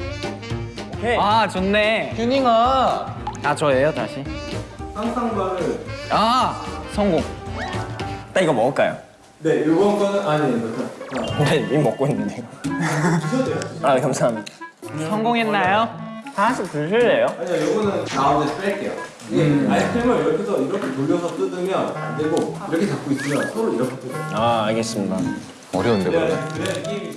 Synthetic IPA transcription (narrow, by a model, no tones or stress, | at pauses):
okʰeat͡ɕonːetuɲiŋʌ | at͡ɕoejota̰ɕʰisʰamsʰaŋɡwanɯnasʰʌŋɡoŋ | t͈aiɡʌmʌɭ̚k͈ajo̰ | ne̞joɡʌnɡʌnɯnʔanenemʌtʰaaneimʌk͈oinːɯndeo | id͡ʑʰʌdejoaɲekamsʰaɦamidasʰʌŋɡoŋenːajotasʰɯpuɭsʰɯɭːe̞joaɲiajoɡʌnɯntaundesp͈eek͈e̞jo̰ | iɡeajskʰiɭmʌiɾʌkʰesʰʌiɾʌkʰe̞toʎːjʌsʰʌt͈ɯdɯmjʌna̰ndeɡoiɾʌkʰet͡ɕap̚k͈ois͈ɯmjʌnsʰʌɾoiɾʌkʰet͈ɯdeaːɭɡe̞s͈ɯmɲida | ʌɾendekɯɾek͈iɡi